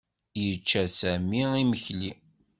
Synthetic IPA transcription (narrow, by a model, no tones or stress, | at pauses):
jət͡ʃːæsæmiiməçli